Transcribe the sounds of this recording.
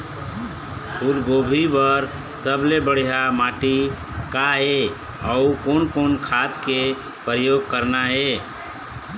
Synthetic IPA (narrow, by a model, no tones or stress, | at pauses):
puɾɡobʱibəɾ | səblebəɽ̤ijamaʈi | kaɦe | ɔukonkonkʰat̪ke | pɾəjoɡ̚kəɾnaɦe